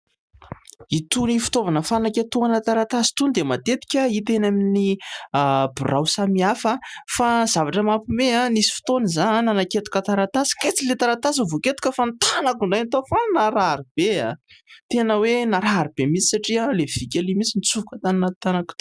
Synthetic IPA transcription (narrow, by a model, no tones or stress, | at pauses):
it̪unifi̥t̪ovanəfanakʲet̪uanət̪aɾat̪asi̥t̪und̪emat̪et̪i̥kʲəit̪enamini | bṵrawsamiafafazavaʈ͡ʂəmapumeanisi̥fi̥t̪onizananaket̪u̥kʲət̪aɾat̪asi̥ket͡silet̪aɾat̪as̬əvoket̪u̥kʲəfant̪anakuɳɖ͡ʐajnt̪ofannaɾaɾib̥eat̪enəwenaɾaɾib̥emit͡si̥saʈ͡ʂiəlev̥ikʲalimit͡sinit͡suvukət̪aninat̪anak